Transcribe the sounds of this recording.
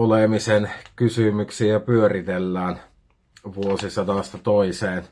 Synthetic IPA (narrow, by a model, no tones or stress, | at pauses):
olemisenkysymyksiæpyørit̪elːæːn | ʋuosisɑnɑst̪ɑt̪oiseːn